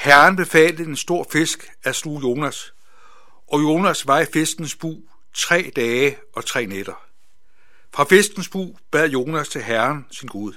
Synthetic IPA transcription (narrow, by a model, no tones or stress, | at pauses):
hæɐnb̥e̝fɛ̰ːld̥əe̝nsd̥o̝ɐ̰fe̝sɡ̥ | æslujo̝ːnæs | ʔɒ̽jo̝ːnæsʋɑ̈ifesd̥n̩sb̥ṵː | t͡sʰʁɛ̰ːd̥ɛː | ɒ̽t͡sʰʁɛ̰ːned̥ɐ | fʁɑ̈fesd̥n̩sb̥ṵːb̥æð̰ˠjo̝ːnæst͡sʰe̝lɦæɐnsinɡ̥uð̞ˠ